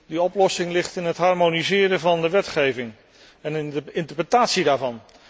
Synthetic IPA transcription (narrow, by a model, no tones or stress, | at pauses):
diɔplɔsɪŋlɪχtɪnətɦɑɹmonizɪːɾəvɑndəʋɛtχejvɪŋ | ɛnɪntəɹprətaːtsidaːɹvɑn